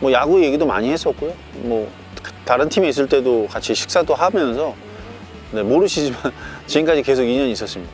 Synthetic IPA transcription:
mwʌjaɡueje̞ɡidoma̰ɲihes͈ʌk̚k͈ojo | mʌ | ktaɾɯntʰimiːs̬͈ɯɭt͈e̞dokat͡ɕʰiɕʰi̥k̚s͈adoɦamjʌnsʰʌ | ne̞moɾɯɕʰid͡ʑimant͡ɕiink͈ad͡ʑike̞sʰoɡiɲʌɲis͈ʌs͈ɯmɲid̥a

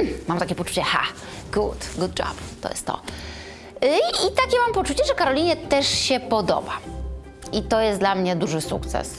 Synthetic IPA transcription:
mamt̪akʲɛpɔt͡ʂu̥t͡ɕɛxa̰ | ɡ̥ud̪ɡud̪̚d͡ʒa̰bt̪ɔ̰jɛ̰st̪ːɔ̰ | it̪akʲɛmampɔt͡ʂut͡ɕɛʐɛkaɾɔlʲiɲɛt̪ɛʂɕɛpɔd̪ɔ̰ba | it̪ɔjɛslamɲɛd̪uʐɘsṵk̚t̪sɛ̰s

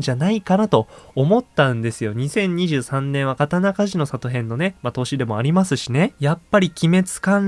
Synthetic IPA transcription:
d͡ʑanaikanat̪o̞ːmo̞t̪ːãɯ̃nd̪e̞sɨjo̞ɲ̟isẽ̞ɲ̟ːiʑɨːsãnːẽ̞ɰ̃akat̪anakaʑino̞sat̪o̞ɦẽ̞nːo̞ne̞mat̪o̞ɕid̪e̞mo̞aɾʲimasɨɕine̞japːaɾʲikʲime̞t͡sɨ̥kãn

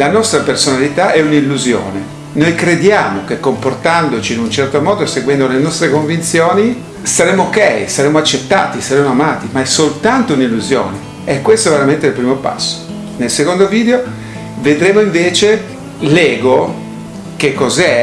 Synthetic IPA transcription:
lanɔst̪ɾapersonalit̪aʔɛunilːuzjo̰ːne | nojkɾed̪jaːmok̟ekːomport̪and̪ot͡ʃiːnunt͡ʃɛrt̪omɔːd̪oseɡwɛnd̪olenɔst̪ɾekoɱvint̪sjoːni | saɾemoːkɛjsaɾeːmoat͡ʃːet̪ːa̰ːt̪isaɾemːoamaːt̪imaɛsolt̪ant̪ounilːuzjo̰ːne | ɛkːwest̪oɛveɾament̪eilpɾiːmopa̰sːo̥ | nelsekond̪oviːd̪eo | ved̪ɾeːmoiɱveːt͡ʃe | lɛːɡo | kekːɔzɛ

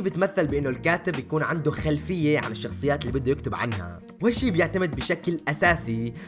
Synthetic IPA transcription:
iːbɪt̪maθːalbɪʔɪnːolkaːt̪ɪbjakuːnʕand̪oxalfɪjːeʕa̰nɪʃːɑxsˤɨjːaːt̪lːiːbɪd̪ːojɪkt̪ʊbʕa̰nɦa̰ | whaʃːiːbjɪʕt̪amɪd̪̚bɪʃaklʔasaːsi

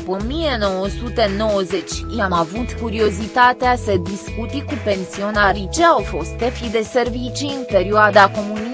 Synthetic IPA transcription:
upomije̞no̞wəsut̪eno̞wəze̞t͡ʃʲamavut̪kuɾio̞zit̪at̪easəd̪iskut̪ikupe̞nsio̞naɾit͡ʃeawfo̞st̪efid̪e̞se̞rvit͡ʃiɨnpe̞ɾioad̪ako̞muni

